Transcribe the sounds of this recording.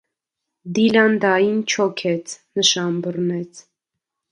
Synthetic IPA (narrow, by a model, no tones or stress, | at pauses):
d̪ilɑnd̪ɑjint͡ʃʰɔkʰɛt͡sʰnəʃɑnbərnɛt͡sʰ